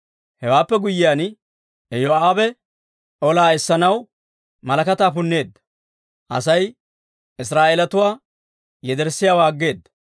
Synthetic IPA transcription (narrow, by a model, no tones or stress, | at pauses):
hɛwaːpːɛɡʊjɪjaːn | ɛjoaːbɛ | ʔɔlaːɛsːɐnɐw | mɐlɐkɐt̪aːpʊnːe̞ːd̪ːɐ̥ | ʔɐ̰sɐj | ɪs̬ɾaːʔeːlɐt̪ʊwaː | jɛd̪ɛɾsːɪjaːwaːɡːe̞ːd̪ːɐ̥